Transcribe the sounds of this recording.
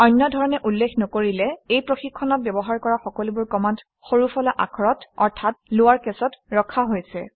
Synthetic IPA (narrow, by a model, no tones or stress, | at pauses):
ɔjnːɔdʱɔɹɔnɛʔulːekʰnɔkoɹilɛejpɹoxikʰːɔnɔt̚bjɔbɔɦaɹkɔɹaxɔkɔlubʊɹkɔmant | xoɹufʰɔlaʔakʰɔɹɔtɔɹtʰat̚lʊwaɹkɛsɔtɹɔkʰaɦojsɛ